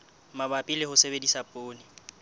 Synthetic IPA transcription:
mabapʼilɪhʊsebedisapʼoːnɪ

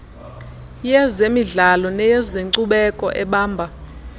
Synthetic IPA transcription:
jɛzemiɮalɔnɛjɛzeǀuɓɛkʼɔ̰ʔɛɓaːmbʱa

